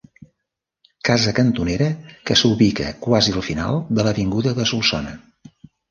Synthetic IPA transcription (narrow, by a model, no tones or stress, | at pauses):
kazəkənt̪uneɾəkəsuβikə̰kwaziəlˠfina̰lˠd̪ələβiŋɡuðəðəsulˠsɔnə